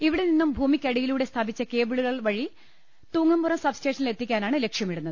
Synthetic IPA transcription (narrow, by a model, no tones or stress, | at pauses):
iʋiɽeninːumbʱuːmikʲːɐɽijiluːɽe̞st̪ʰaːbit͡ɕːɐke̞ːbɨɻuɣɐɭʋɐɻi | t̪uːŋːɐmburɐmsɐbste̞ːʂɐnilet̪ːikʲːaːnaːɳɨlekʂjɐmiɽunːɐðɨ